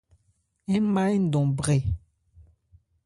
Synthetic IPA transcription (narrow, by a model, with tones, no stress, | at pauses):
ɛ̃˦ma˦jn̩˦˨dɔ̃˨bʁe˨